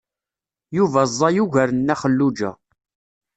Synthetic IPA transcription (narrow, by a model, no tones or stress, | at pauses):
juvæzˤːɑjuʝæɾənːæχəlːud͡ʒæ̰